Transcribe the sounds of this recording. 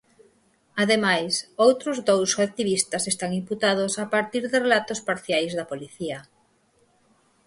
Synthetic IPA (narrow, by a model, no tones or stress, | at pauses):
aðemajsowt̪ɾʊzd̪owsak̚t̪iβ̞ist̪asest̪aŋimput̪aðosapaɾt̪iɾðɪrelat̪ospaɾθjajzðapoliθia